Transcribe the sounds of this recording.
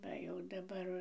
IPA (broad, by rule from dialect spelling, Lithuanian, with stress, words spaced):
ˈʋɐ jɛʊ dɐˈbɐr